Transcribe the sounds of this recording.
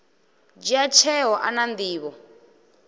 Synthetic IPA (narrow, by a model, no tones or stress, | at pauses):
d͡ʒiat͡ʃʰɛɦɔʔanand̪iːβɔ